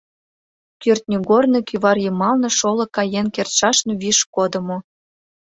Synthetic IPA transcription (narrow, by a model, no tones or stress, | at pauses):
kyrt̪nʲyɡornɤkyβɑrjɤmɑlnɤ̆ʃolɤ̆kɑjenkert̪ʃɑʃnoβiʃkod̪ə̆mo